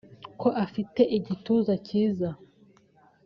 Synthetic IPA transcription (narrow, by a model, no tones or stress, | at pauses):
ko̞ʔafite̞ʔiɟituːzaciːza